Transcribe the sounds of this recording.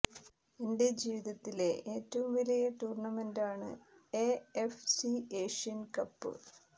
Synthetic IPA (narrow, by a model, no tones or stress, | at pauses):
ende̞d͡ʑiːʋiðɐt̪ːile̞ʔeːtːɐʋumʋɐlɐjɐʈuːrɳɐmendaːɳɨ̰eefsieːʂijɐnkɐpːɨ̰